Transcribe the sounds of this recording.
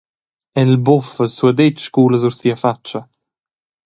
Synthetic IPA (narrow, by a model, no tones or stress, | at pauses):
ɛlbɔfəsuəd̪ɛt͡ʃkuːləzuɾsiːəfat͡ʃːɐ